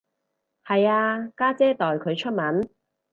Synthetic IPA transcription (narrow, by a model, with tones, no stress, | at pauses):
hɐ˨jaː˧kaː˥t͡sɛː˥t̪ɔː˨˩jkʰɵ˨˧ɥt͡ʃʰɵ˥t̚mɐ˨˥n